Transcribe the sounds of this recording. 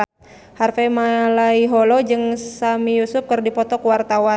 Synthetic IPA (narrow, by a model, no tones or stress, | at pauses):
harfɛmalaiɦɔlɔd͡ʒɨŋsamijusʊp̚kɨrdipɔt̪ɔkwart̪awa